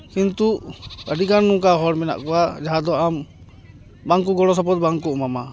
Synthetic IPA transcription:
kint̪uʔəɖikanːukaɦɔɽmɛna̰ʔkɔwad͡ʒaɦad̪ɔam | baŋk̬uɡɔɽɔsɔp̬ɔt̪̚baŋk̬uʔmama

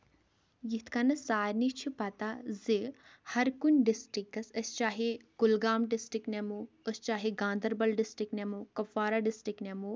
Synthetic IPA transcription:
jit̪ʰkɐnɐsaːɾnit͡ʃʰipat̪azihɐɾkunʲɖisʈɾikːɐsɐst͡ʃaːɦiɡ̥ulɡaːmɖisʈɾiknemuɐst͡ʃaːɦiɡãːnd̪ɐɾbɐlɖisʈɾiknemukɐfaːɾaɖisʈɾiknemu

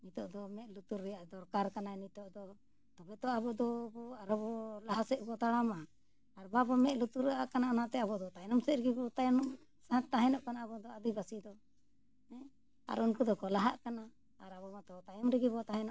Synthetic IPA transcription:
nit̪ɔʔd̪ɔmɛʔ̪̚lut̪uɾːɛjaʔd̪ɔɾkaɾkananit̪ɔʔd̪ɔ | t̪ɔbɛt̪ɔʔabɔd̪ɔbɔaɾɔbɔlaɦasɛʔbɔt̪aɽama | aɾbabɔmɛʔlut̪uɾɛʔaʔkananat̪ɛabɔd̪ɔt̪ajnɔmsɛt̪̚ɾɛɡibɔt̪ajɔnɔ | saat̪̚t̪aɦɛnɔʔkanaːbɔd̪ɔad̪ibasid̪ɔ | hɛ̃ | a̰ɾunkud̪ɔkɔlaɦaʔkana | aɾabɔmat̪ɔt̪ajɔmɾɛɡibɔt̪aɦɛnɔʔ

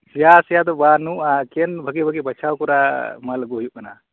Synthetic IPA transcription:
jasjat̪ɔbanuakenbʱəkebʱəkebʱət͡ʃʰawkuɾamalɡojukəna̰

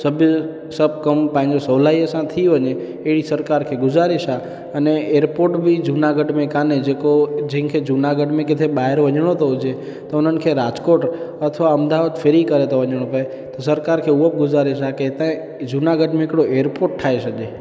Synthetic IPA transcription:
səbʱj | səp̚kəmpãɲd͡ʒosəʋlaiesãt̪ʰiʋəɲeː | ʋisəɾkaɾkʰeɡʊd͡ʒaɾeʃa | əneeɾpoɾʈbʱid͡ʒunaɡəɖmẽkaned͡ʒekod͡ʒĩkʰed͡ʒunaɡəɖmẽket̪ʰeɓaɦeɾʋəɲɽ̃ot̪od͡ʒe | t̪onənkʰeɾad͡ʒkoʈət̪ʰəʋaəmd̪aʋad̪fʰeɾikəɾet̪oʋəɲɽ̃õpəe | t̪osəɾkaɾkʰeuʋəp̚ɡʊd͡ʒaɾeʃaket̪ã | d͡ʒunaɡəɖmẽːkɽoʔeɾpoʈ̚ʈʰːaeʃəd͡ʒe

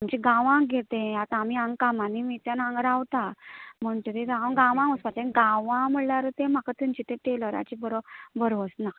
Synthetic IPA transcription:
amt͡ɕiɡãʋãɡʱet̪ẽat̪amiãŋɡkamãnimit̪janãŋɡɾawt̪am̤əɳt̪əɾeɾaãŋɡãʋãməspat̪aiɡãʋãməɽlaɾət̪ẽm̤akat̪əmt͡ɕit̪ẽʈeləɾa̰t͡ɕibəɾobəɾʋɔt͡sna

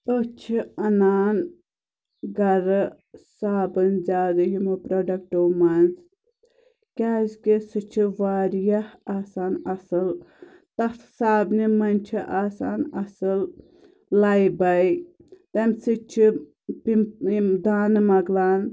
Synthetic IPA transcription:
t̪ot͡ʃʰiɐnaːn | ɡɐɾɨ | saːbɐnzʲaːd̪ɨɦimɨpɾoɖɐk̚ʈoːmɐnz | kʲaːzkesɨt͡ʃʰiʋaːɾjɐhaːsaːnɐsɨl | t̪ɐt̪ʰsaːbnimɐnʲt͡ʃʰiʔaːsaːnɐsɨl | lajbɐjt̪ɐmsɨt͡ʃʰi | pid̪aːnɨmɐɡlaːn

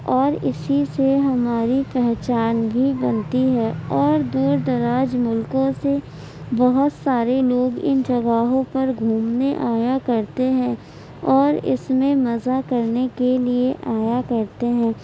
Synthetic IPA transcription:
ɔːɾɪsiseɦɐmaːɾipɛɦt͡ʃaːnbʱibɐ̃nt̪iɦɛːɔːɾd̪uːɾd̪ɐɾaːd͡ʒmʊlkõse | bɐɦʊt̪saːɾeloːɡɪ̰nd͡ʒɐɡaːɦõpɐɾɡʱuːmneʔaːjakɐɾt̪eɦɛ̃ː | ɔːɾɪ̰smẽmɐzakɐɾnekelieʔaːjakɐɾt̪eɦɛ̃ː

